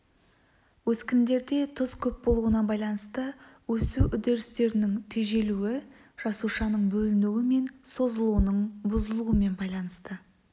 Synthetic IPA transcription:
wɵskʲɪnd̪e̞ɾd̪e̞t̪ʰəz̥kʲʰɵp̚bo̞lˠuənɑbɑjlˠɑnəst̪əwɵsuʔʏd̪e̞ɾɪst̪e̞ɾɪnɪŋt̪ʰeʒe̞luɪ | ʒ̥ɑsuʃɑnəɴbɵlɪnuwɪme̞nso̞zəlˠuənəɴbʊzəlˠuəme̞nbɑjlˠɑnəst̪ə

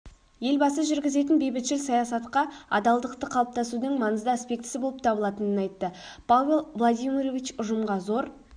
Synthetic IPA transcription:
je̞lbɑsəʒʏɾɡʲɪze̞t̪ɪnbe̞jbɪt̪ʃɪlsɑjɑsɑt̪qɑɑ̰d̪ɑlˠd̪əqt̪əqʰɑlˠəp̚t̪ʰɑsud̪əŋmɑnəzd̪əspʲe̞k̚t̪ɪ̥sɪbo̞lˠəpt̪ʰɑbəlˠɑt̪ənənɑjt̪ːəpʰavʲe̞lˠvlˠad̪ʲijmʲiɾovʲit͡ʃʊʒəmʁɑzo̞ɾ

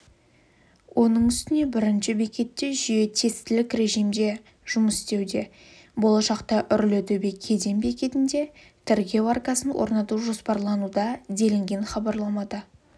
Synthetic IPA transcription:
wʔo̞nəɴʏst̪ɪne̞bɪɾɪnʃɪbekʲe̞t̪ːe̞ʒʏje̞t̪ʰe̞st̪ɪlɪkɾe̞ʒijmd̪e̞ | ʒ̥ʊməsst̪e̞wd̪e̞ | bo̞lˠɑʃɑqt̪ɑʔʏɾlɪd̪ɪbekʲʰe̞d̪e̞mbe̞kʲe̞t̪ɪnd̪e̞ | t̪ʰeɾɡʲe̞varkɑsənwʔo̞̰ɾnɑt̪uʒo̞spɑɾlˠɑnud̪ɑd̪e̞lɪŋɡʲe̞nχɑbɑɾlˠɑmɑd̪ɑ

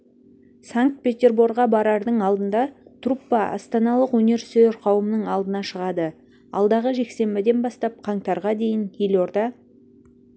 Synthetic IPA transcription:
saŋk̚t̪̚pʲe̞t̪ʲe̞rburʁɑbɑɾɑɾd̪əɴɑlˠd̪ənd̪ɑt̪ʰrupːɑɑ̰st̪ɑnɑlˠəqwɵne̞ɾsøɾqʰɑwəmənəɴɑlˠd̪ənɑʃəʁɑd̪ə | ɑ̰lˠd̪ɑʁəʒe̞kse̞mbɪd̪e̞nbɑst̪ɑp̚qʰɑɴt̪ɑɾʁɑd̪e̞jɪnjelʲo̞rd̪ɑ

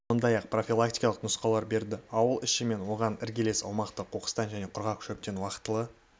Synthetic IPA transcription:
so̞nd̪ɑjɑq̚pro̞fʲilˠak̚t̪i̥jkɑlˠəqnʊsqɑlˠɑɾbe̞ɾd̪ɪɑwəlˠɪʃɪme̞nwo̞ʁɑnɪɾɡʲele̞sɑ̰lˠmɑqt̪əqʰoqə̥st̪ɑnʒæne̞qʰʊɾʁɑkʰʃɵp̚t̪e̞nwɑqə̥t̪ːəlˠə

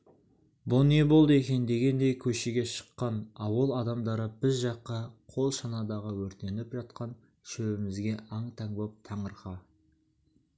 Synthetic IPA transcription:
bʊne̞bo̞lˠd̪əe̞kʲe̞nd̪e̞ɡʲe̞nd̪e̞jkʲʰɵʃeɡʲe̞ʃə̥qːɑnɑwəlˠɑd̪ɑmd̪ɑɾəbɪzʒɑqːɑqʰo̞lˠʃɑnɑd̪ɑʁəwɵɾt̪e̞nɪpʒɑt̪̚qɑn | ʃɵbɪmɪzɡʲe̞ʔɑɴt̪ʰɑŋbop̚t̪ʰɑɴəɾχɑ

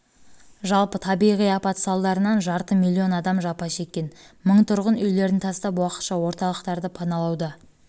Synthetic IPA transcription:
ʒɑlˠpət̪ʰɑbijʁijɑpɑt̪sɑlˠd̪ɑɾənɑnʒɑɾt̪əmilʲˠːio̞nɑd̪ɑmʒɑpɑʃe̞kʲːe̞nməɴt̪ʰʊɾʁənʏjle̞ɾɪnt̪ʰɑst̪ɑpwɑqət̪ʃɑwo̞ɾt̪ɑlˠəqt̪ɑɾd̪əpʰɑnɑlˠɑwd̪ɑ

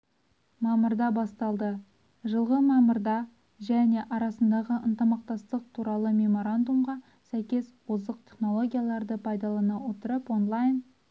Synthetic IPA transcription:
mɑməɾd̪ɑbɑst̪ɑlˠd̪ə | ʒəlˠʁəmɑməɾd̪ɑ | ʒæne̞ʔɑɾɑsənd̪ɑʁəʔənt̪əmɑq̚t̪ɑst̪əq̚t̪ʰuɾɑlˠəmʲe̞mo̞ɾand̪umʁɑ | sæjkʲe̞swozəq̚t̪ʲʰe̞χno̞lˠo̞ɡʲijalˠɑɾd̪əpʰɑjd̪ɑlˠɑnɑwo̞t̪əɾəpo̞nlˠajn

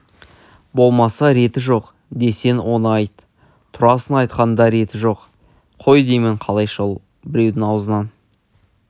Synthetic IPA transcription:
bo̞lˠmɑsɑɾe̞t̪ɪʒo̞q | d̪e̞se̞nwo̞nəɑjt̪ | t̪ʰʊɾɑsənɑjt̪qɑnd̪ɑɾe̞t̪ɪʒo̞q | qʰo̞jd̪e̞jmɪɴqʰɑlˠɑjʃolˠ | bɪɾe̞wd̪ɪŋɑwzənɑn

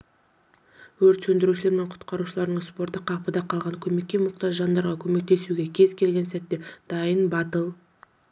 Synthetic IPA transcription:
wɵɾt̪sɵnd̪ɪɾuʃɪle̞ɾme̞ɴqʰʊ̥t̪qɑɾuʃəlˠɑɾd̪əɴspo̞ɾt̪əqʰɑpəd̪ɑqʰɑlˠʁɑŋkʲʰɵme̞kʲːe̞mʊqt̪ɑʒʒɑnd̪ɑɾʁɑkʲʰɵme̞k̚t̪e̞suɡʲe̞kʲʰe̞zkʲʰe̞lɡʲe̞nsæt̪ːe̞d̪̥ɑjənbɑt̪əlˠ

